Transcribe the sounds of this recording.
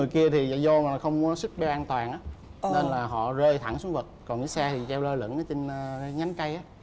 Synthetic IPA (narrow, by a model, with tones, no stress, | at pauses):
ɨ˩jki˧ət̪ʰi˨˩za̰ː˧˨zo˧m˨˩˨xə˧wŋ͡mkɔ˨˦su˦˥k̚ɓɛ˧wʔaː˧nt̪waː˨˩nʔaː˨˦ne˧nlaː˨˩ɦɔ̰˧˨zəː˧jt̪ʰa˧˩ŋsu˨˦ŋvə˨˩t̚kɔ˨˩nɲḭ˨˦sɛː˧t̪ʰi˨˩t͡ɕɛ˧wləː˧lə̰˧˥nʔaː˨˦t͡ɕe˧nː˧˨˦ŋa˨˦ŋka˧jʔaː˨˦